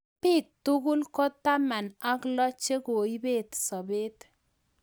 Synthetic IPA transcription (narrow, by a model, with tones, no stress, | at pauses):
pi˦˨tu˦ku˦lkɔ˦ta˦ma˨na˨˦klɔ˦t͡ʃe˦ko˨i˦be˦˨tsɔ˨be˦t